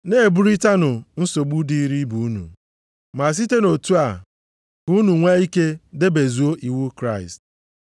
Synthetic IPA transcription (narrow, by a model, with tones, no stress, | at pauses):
ne˦e˨bu˦ɾi˦ta˦nʊ˨n̩˦so˨ɡ͡bu˦di˦ɾi˦bu˨u˦nṵ˨ | ma˨s̬i˦te˦no˨tu˦a˨ | ku˦nu˨ŋʷe˦i˦ke˦de˦be˨zu˨o˦ʔi˨wu˦kɾa˦˨ɪ˨st̚